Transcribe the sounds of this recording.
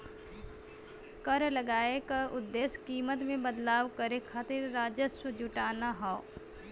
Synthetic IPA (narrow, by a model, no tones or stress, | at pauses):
kəɾləɡaːekaʊd̪ːeːskiːmət̪mẽbəd̪laːʋkəɾekʰaːt̪ɪɾːaːd͡ʒəsəd͡ʒʊʈaːnaɦɔː